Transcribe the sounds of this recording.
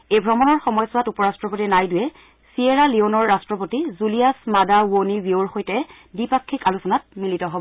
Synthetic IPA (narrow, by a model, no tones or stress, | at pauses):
ejbʱɹɔmɔnɔɹxɔmɔjsʊwatupɔɹastɹɔpotinajdʊjɛ | sieɹalionɔɹːastɹɔpotizulijasmadawonibioɹxojtɛ | bipakʰːikalusɔnat̚militɔɦɔbɔɔ